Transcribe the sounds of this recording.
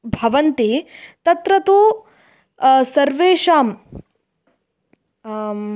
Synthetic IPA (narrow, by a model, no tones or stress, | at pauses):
bʱɐʋɐnt̪et̪ɐt̪ɾɐt̪uː | sɐɾʋeːʂaːm